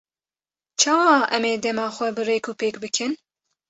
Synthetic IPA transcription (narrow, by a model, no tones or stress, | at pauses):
t͡ʃʰɑːwɑːʔɛmeːd̪ɛmɑːxʷɛbɨreːkʰuːpeːkbɨkʰɨn